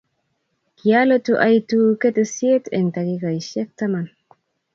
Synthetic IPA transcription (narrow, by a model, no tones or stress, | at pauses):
kialet̪uʔajt̪uket̪esiet̪ʰent̪aɡiɡajʃek̚t̪aman